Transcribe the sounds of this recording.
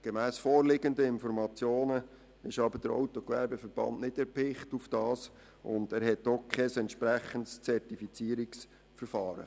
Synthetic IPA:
ɡ̥emæːsfɔːɾlɪɡəndəɪnfɔɾmɑt͡sjoːnə | ɪʃɑbəɾd̥əɾɔ̰wtɔkʋæɾbɛfəɾb̥ɑ̰nʔnɪdɛɾpɪχtufd̥ɑːs | ʔʊ̰nd̥æːɾɦɛtːokʰɛsɛntʃpɾæχəntst͡sɛɾtifit͡siːəɾiks | fəɾfɑːɾə̰

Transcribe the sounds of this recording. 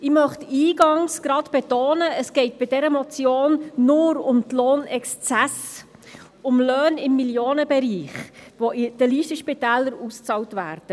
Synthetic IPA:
ɪmœχtiːɡɑŋsɡ̥ɾɑtb̥ɛtoːnəəsɡ̥ɛɪt̚b̥ɪdɛɾəmɔt͡sjoːnːʊɾʊmtloːnɛkst͡sɛs | ʊmlœːnɪmːiljoːnəbɛɾiːχʋɔɪd̥əliːʃtəʃpitæːləɾust͡sɑwtvæːɾd̥ə

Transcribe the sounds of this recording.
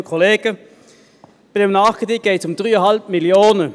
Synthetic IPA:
əkʰʊleːɡ̥ə | b̥d̪ɛmnɑkət̪ɪɡ̥eɪt̪ʊmd̪ɾyːɔhɑltmɪlɪoːnə

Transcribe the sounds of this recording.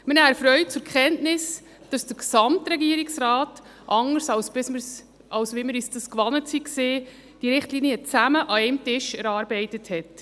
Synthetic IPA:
mənæːfɾœʏt̚t͡sʊɾkχɛntnɪs | d̥ɑsd̥əksɑmtɾɛɡiːəɾiksɾɑːt | ʔɑŋəɾsɑwsb̥ɪsməɾs | ʔɑwsʋeməɾisd̥ɑskʋɑnətsikseː | d̥iɾɪχtliniət͡sæməʔɑɛɪmtɪʃɛɾɑːɾbɛɪtəthɛt

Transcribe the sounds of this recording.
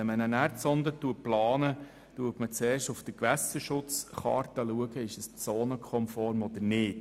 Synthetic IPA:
ɛmənənæːɾt͡sɔnd̪ətːuəplɑːnə | tuətmət͡seːɾʃtʊfd̥̪əkʋæsəʃʊt͡sχɑ̰ːrtəluəɡəɪʃəst͡soːnəkʰɔmfɔːɾmɔd̪əɾnɪːt

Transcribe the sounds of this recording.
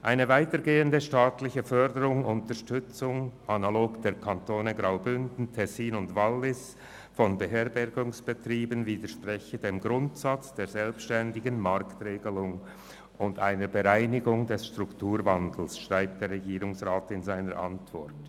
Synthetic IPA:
ʔaɪnəvaɪtəɾɡeːəndəʃtaːtlɪçəfœɾdəɾʊŋʊntəɾʃtʏt͡sʊŋʔanaloːɡd̥eːɾkʰantʰoːnəɡʁaʊbʏndn̩tʰɛsiːnʊndvalːɪs | fɔnbəɦeːɐbɛɾɡʊŋsb̥ətriːbənviːdəʃpʁɛçədeːmɡʁʊntsat͡sd̥eːɾzɛlpsʃtɛndɪɡənmaɾktreːɡəlʊŋ | ʊndaɪnəɾbəʁaɪnɪɡʊŋdɛsʃtʁʊktuːɾvandl̩sʃʁ̥aɪp̚t̚d̥eːɾːɛɡiːɾʊŋsʁaːtɪnzaɪnəɾʔa̰ntv̥ɔrt

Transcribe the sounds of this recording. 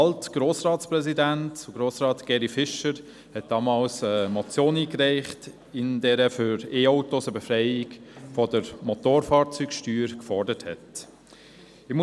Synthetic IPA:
ɑltɡ̥ɾoːsrɑːtt͡ssprɛzidæntuɡɾoːsɾɑːtɡ̥ɛɾifɪʃəɾ | hɛt̚d̥ɑːmɑːlsəmɔt͡sjoːniːkɾɛɪχt | ɪnd̥ɛɾəfyɾeːoʊtosəbefɾɛɪɪkfɔdəɾmɔtoːɾfɑːɾt͡sykʃtyːɾkfɔɾdəthɛ̰t | ɪmu

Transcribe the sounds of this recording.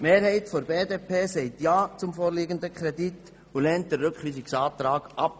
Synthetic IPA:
meːɾhɛɪtfɔɾbeːdeːpʰeːsɛɪtjaːt͡sʊmfoːɾliːɡənd̪əkʰɾɛdit | ulɛnt̚dərʏkχʋiːsɪksɑːt̪ɾaːɡ̥ʔɑp̚

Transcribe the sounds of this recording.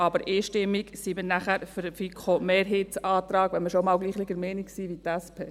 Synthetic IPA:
ɑbəɾɪːʃtɪmːiɡsimənæχæɾfyɾəfikʰomeːɾɦetsɑːt̪ɾɑːɡ̥ʋɛnməʃomɑːlɡliːχlɪɡəɾmɛːniksiʋit̪æspʰeː

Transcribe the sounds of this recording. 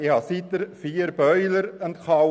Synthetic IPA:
ɪhɑsit̪əɾfiːəɾb̥œʏləɾənt̪χɑ

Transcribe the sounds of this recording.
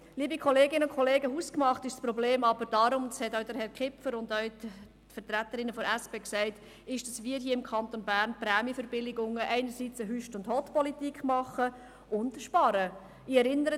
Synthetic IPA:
liːbikχɔleːɡɪnəʊnkʰχʰɔleːɡəhuskmɑχtɪʃspɾɔbleːmɑbəɾd̥ɑɾʊmd̪ɑshɛtœʊd̥əɾɦhɛɾkχɪpfəɾʊndœɥ | fəɾt̪ɾæt̪ːəɾɪnəfɔɾæspeːksæɪt | ɪʃd̥ɑsʋiːəɾhiːəɪmkʰɑnt̪onbæːɾnpɾæːmifəɾbɪlɪɡʊŋəʔɛɪnəɾsiːt͡səɦyʃtʊndhɔtpɔlitikχmɑχə | ʊndʃpɑɾə | ɪɛɾɪnːəɾə

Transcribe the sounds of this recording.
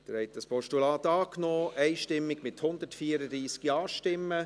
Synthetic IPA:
d̥̪ɛɾhɛt̪əspʰɔʃtulɑːt̪ɑːknɔːʔɛɪʃtɪmːɪɡ̥mɪthʊnd̪ətfiːəɾəd̪ɾiːsɡ̥ɑːʃtɪmːə

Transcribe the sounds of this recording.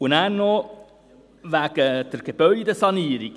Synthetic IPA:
ʊnæːrnɔ | ʋæɡ̥əd̥əɾɡ̥eb̥œʏd̪əsɑniːɾik

